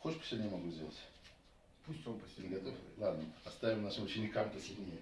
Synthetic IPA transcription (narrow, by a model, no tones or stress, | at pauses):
xoʃpə̥sʲjnʲɪmɐɡuzʲdʲelˠətʲ | pusʲt̪ʲopəsʲnʲɪɡɐt̪oflˠad̪nəɐst̪avʲɪmnaʂɨmʊt͡ɕɪnʲɪkamp̪əsʲɪd̪ʲnʲej